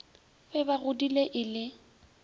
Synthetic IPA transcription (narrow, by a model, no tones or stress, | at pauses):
fɛbaɣʊdileʔɪlɪ